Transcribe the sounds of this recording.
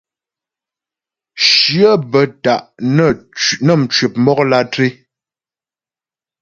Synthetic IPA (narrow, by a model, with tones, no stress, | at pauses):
ʃjə˦bə˨ta˨ʔnə˦nə˦m̩˨t͡ʃɥi˨p̚mɔ˦k̚la˦tɾi˦